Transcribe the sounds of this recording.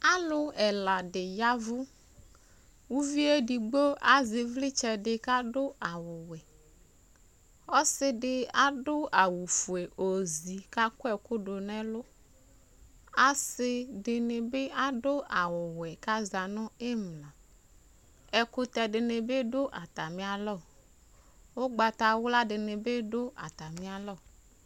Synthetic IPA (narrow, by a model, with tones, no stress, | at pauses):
a˦lʊ˦ɛ˨la˨dɪ˨ja˦vʊ˦ | wu˦vi˦e˦di˨ɡ͡bo˦a˦zɪ˨vlɪ˦t͡ʃɛ˨dɪ˨ka˦dʊ˦a˨wʊ˨wɛ˨ | ɔ˦sɪ˦dɪ˦a˦dʊ˦a˨wu˨fu˨e˨ʔo˨zi˨ka˦kʊ˦ɛ˨kʊ˦dʊ˨nɛ˦lʊ˦ | a˦sɪ˦ɖɪ˨nɪ̃˨be˦a˦ɖʊ˦ʔa˨wʊ˨wɛ˨ka˦za˨nʊ̃˦e˦mlã˨ | ɛ˦kʊ˦t̪ɛ˨ɖɪ˨nɪ̃˨be˦ɖʊ˦ʔa˨t̪a˨mĩ˦a˨lɔ˦˨ | wo˦ɡ͡ba˨t̪a˨wʊ˦la˦ɖɪ˨nɪ̃˨be˦ɖʊ˦ʔa̰˨t̪a˨mĩ˦a˨lɔ˦˨